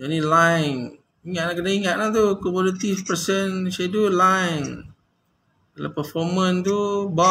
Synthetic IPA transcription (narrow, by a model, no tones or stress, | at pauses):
onilaŋ | iŋaʔ̪̚lakənaiŋaʔ̪̚lat̪̬ukomodat̪ifpəsənʃedulaŋ | la̰pəfɔmənt̪ubɔ